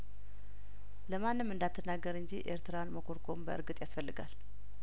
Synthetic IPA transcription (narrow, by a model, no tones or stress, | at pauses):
ləmanːɨmɨnd̪at̪ʰːənːaɡːəɾɨɲd͡ʒiʔe̞̰ɾt̪ʰɨɾanməkʰo̞ɾkʰo̞mbəʔɨ̰ɾɡɨt̪ʼjasfəlːɨɡal